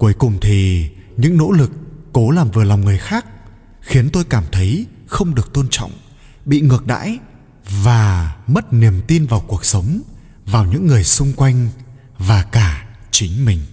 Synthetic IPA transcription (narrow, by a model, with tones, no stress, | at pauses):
ku˨˦əjkʊ˨˩ŋ͡mt̪ʰi˨˩ɲɨ̰˧˥ŋno̰˧˥lɨ˨˩kːo˨˦laː˨˩mvɨ˨˩əla˨˩wŋ͡mŋɨ˨˩əjxaː˦˥k̚ | xi˨˦ənt̪o˧jkaː˧˩mt̪ʰə˨˦j | xə˧wŋ͡mɗɨ˨˩ək̚t̪o˧nt͡ɕɔ̰˧˨wŋ͡m | ɓḭ˧˨ŋɨ˨˩ək̚ɗa̰ː˧˥j | vaː˨˩mə˦˥t̚ni˨˩əmt̪i˧nvaː˨˩wku˨˩ək̚sə˨˦wŋ͡m | vaː˨˩wɲɨ̰˧˥ŋːɨ˨˩əjsʊ˧ŋ͡mkwa˧jŋ̟ | vaː˨˩kaː˧˩ | t͡ɕï˨˦ŋ̟mï˨˩ŋ̟